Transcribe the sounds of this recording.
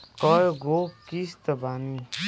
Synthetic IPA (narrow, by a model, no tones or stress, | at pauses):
kɔjɡokist̪əbani